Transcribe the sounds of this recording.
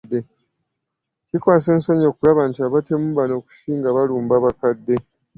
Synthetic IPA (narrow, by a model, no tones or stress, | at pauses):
dːe̞ | cikwaːse̞ːnsoɲo̞ːkulaβantiaβate̞muβano̞ːku̥ʃiːŋɡaβaluːmbaβakadːe̞